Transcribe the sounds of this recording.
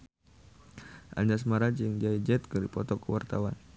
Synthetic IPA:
ʔa̰ɲd͡ʒasmaɾad͡ʒəŋd͡ʒaid͡ʒɛt̪̚kɨrdipɔt̪ɔkəwart̪awan

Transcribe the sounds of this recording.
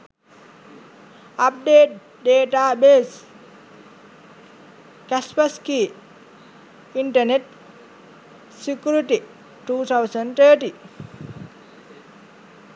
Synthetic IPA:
ɐp̚ɖeːʈ̚ | ɖeːʈaːbeːs | kɛspɐskiː | iɳʈɐneʈ̚ | sikjuɾiʈi | ʈuːt̪ʰawsəɳɖt̪ʰəːʈi

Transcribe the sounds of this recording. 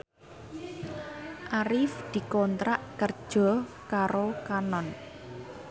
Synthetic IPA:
ʔaɾɪfd̪̥i̤kɔnt̪ɾaʔkərd̥ʒ̥ɔ | kaɾokanɔn

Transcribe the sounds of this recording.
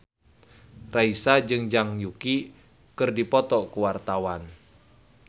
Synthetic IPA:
raisad͡ʒɨŋd͡ʒaŋjuki | kɨrdipɔt̪ɔkuwart̪awan

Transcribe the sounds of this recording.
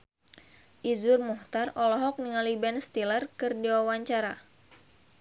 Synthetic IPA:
ʔizurmuht̪arɔlɔɦɔk̚niŋalibɛnst̪ilərkɨrdiwawaɲt͡ʃaɾa

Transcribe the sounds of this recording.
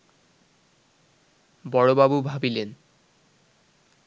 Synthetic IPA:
bɔɹobabubʱabilen

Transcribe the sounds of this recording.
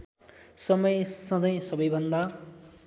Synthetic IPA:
sʌmʌjsʌ̃d̪ʌjsʌbʌjbʱʌnd̪a

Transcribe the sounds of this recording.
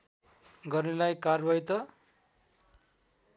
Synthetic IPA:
ɡʌrnelajkarbʌjt̪ʌ

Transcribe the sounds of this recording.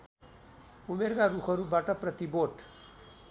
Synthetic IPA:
umeɾkaɾukʰʌɾubaʈʌprʌt̪iboʈ

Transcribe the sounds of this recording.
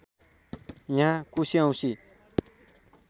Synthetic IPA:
jãkusiãw̃si

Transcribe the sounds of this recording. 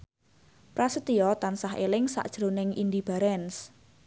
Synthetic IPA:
pɾasət̪iɔt̪ansaɦḛlɪŋsa̰ʔd̥ʒ̥ɾonɪŋind̪ib̥a̤ɾɛns

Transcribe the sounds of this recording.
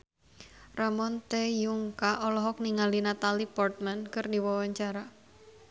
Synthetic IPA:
ramɔnt̪ejuŋkaʔɔlɔɦɔk̚niŋalinat̪alipɔrt̪̚mankɨrdiwɔwaɲt͡ʃaɾa

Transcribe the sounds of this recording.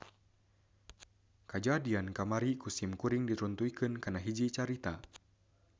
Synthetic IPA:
kad͡ʒaːdiankamaɾikusimkuɾiŋdit̪ɾunt̪uikɨnkanaɦid͡ʒit͡ʃaɾit̪a

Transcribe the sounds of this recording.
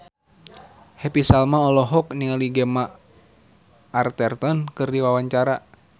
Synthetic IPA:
hɛpisalmaɔlɔɦɔk̚niŋaliɡɛma | rt̪ɛrt̪ɔnkɨrdiwawaɲt͡ʃaɾa

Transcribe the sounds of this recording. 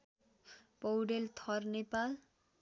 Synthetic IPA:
pʌwɽelt̪ʰʌrnepal

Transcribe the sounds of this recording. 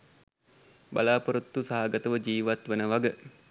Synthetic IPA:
ba̰laːpoɾut̪ːusaɦaɡət̪əʋəd͡ʒiːʋat̪ʋənəʋaɡə

